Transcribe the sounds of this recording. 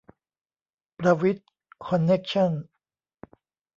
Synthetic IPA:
pɾa˧wi˦˥t̪̚ | kʰɔ˧nːe˦˥k̚t͡ɕʰɔ˥˩˨n

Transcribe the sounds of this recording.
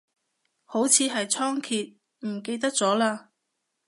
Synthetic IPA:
ho˨˥wt͡sʰiː˨˧ɦɐ˨jt͡sʰɔː˥ŋkʰiː˨t̚ | m̩˨˩ke˧jt̪̬ɐ˥k̚t͡sɔː˨˥laː˧

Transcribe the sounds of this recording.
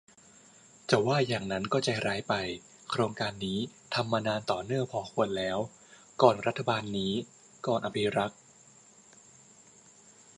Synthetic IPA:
t͡ɕa˨˩waː˥˩jaː˨˩ŋna˦˥nkɔː˥˩t͡ɕa˨˧ɾaː˦˥jpa˧j | kʰɾoː˧ŋkaː˧nːiː˦˥ | t̪ʰa˧mːaː˧naː˧nt̪ɔː˨˩nɯ˥˩əŋpʰɔː˧˦kʰu˧ənlɛː˦˥w | kɔː˨˩nɾa˦˥t̪ʰːa˧baː˧nːiː˦˥ | kɔː˨˩nʔa˧pʰi˦˥ɾa˦˥k̚

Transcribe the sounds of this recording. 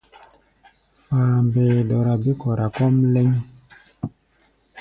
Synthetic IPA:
faː˨mbeː˨dɔ˨ɾa˨bi˦kɔ˨ɾa˨kɔ˦mlɛ˦ɲ˦

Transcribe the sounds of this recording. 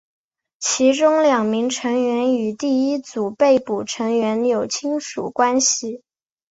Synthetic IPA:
t͡ɕʰi˧˥ʈ͡ʂʊ˥ŋljɑ˨˩ŋmi˧˥ŋʈ͡ʂʰɤ˧˥ŋɥɛ˧˥ny˨˩t̪i˥˩i˥t͡su˨˩pe˥˩ɪpu˨˩ʈ͡ʂʰɤ˧˥ŋɥɛ˧˥njo˨˩ʊt͡ɕʰi˥ŋʂṵ˨˩kwa˥nɕi˨˩

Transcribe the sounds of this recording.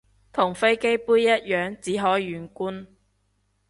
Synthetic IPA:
t̪ʰʊ˨˩ŋfe˥jke˥jpuː˥jːɐ˥t̚jœː˨˥ŋt͡siː˨˥ɦɔː˨˥jɥyː˨˧nkuː˥n

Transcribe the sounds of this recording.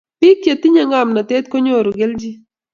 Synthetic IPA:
pɪ˦kja˨t̪i˦ɲa˦ŋa˦˨mna˨t̪ɛ˦t̪̚ko˦ɲo˦˨ɾo˨ɡe˦ld͡ʒi˦

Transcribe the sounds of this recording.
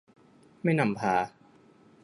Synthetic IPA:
ma˥˩jna˧˩mpʰaː˨˧˦

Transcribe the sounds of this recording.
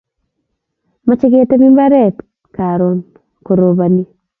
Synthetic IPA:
ma˦t͡ʃɪ˦ɡɪ˦a˦te˦mi˦mba˦ɾɛ˦˨t | ka˨ɾo˨n | ko˨ɾo˨ba˨ni˦

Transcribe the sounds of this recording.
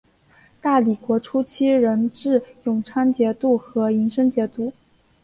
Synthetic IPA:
t̪a˥˩li˨˩kwɔ˧˥ʈ͡ʂʰu˥t͡ɕʰi˥ɻə˧˥nʈ͡ʂɻ̩˥˩jʊ˨˩ŋʈ͡ʂʰa˥nt͡ɕjɛ˧˥t̪u˥˩xɤ˧˥i˧˥ŋʂə˥ŋt͡ɕjɛ˧˥t̪u˥˩

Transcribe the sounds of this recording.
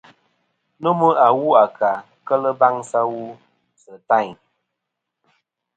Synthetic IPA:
nə˦mə˦a˨wu˦a˨ka˨ | kə˦lə˦ba˦ŋsa˦wu˦ | sə˨ta˦˨ɲ

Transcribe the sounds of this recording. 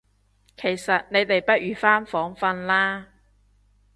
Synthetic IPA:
kʰe˨˩jsɐ˨t̚ne˨˧jt̪e˨jpɐ˥t̚jyː˨faː˥nfɔː˨˥ŋfɐ˧nlaː˥

